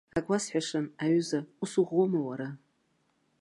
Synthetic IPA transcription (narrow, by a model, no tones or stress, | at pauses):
aɡʷasħʷᶣaʂɨnaɥʊzausuʁʷomawaɾa